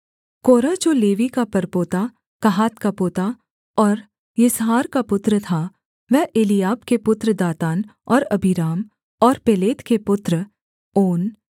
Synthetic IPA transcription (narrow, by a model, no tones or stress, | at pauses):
koːɾad͡ʒoːleːʋikapɐɾpoːt̪a | kɐɦaːt̪kapoːt̪a | ɔːɾ | jɪsɦaːɾkapʊt̪ɾət̪ʰa | ʋɛɦeːlijaːbkepʊt̪ɾəd̪aːt̪aːnɔːɾɐbʱiɾaːm | ɔːɾpeleːt̪kepʊt̪ɾə | oːn